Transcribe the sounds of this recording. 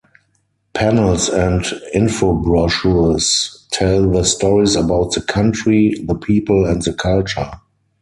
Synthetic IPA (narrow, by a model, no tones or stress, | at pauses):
pʰænəlsɛ̃ntɪ̃nfobɹɔʃustʰɛlðəstɔɹisəbaʊt̚ðəkʰãntɹiðəpʰiːpəl̩ɛ̃ntðəkʰalt͡ʃə˞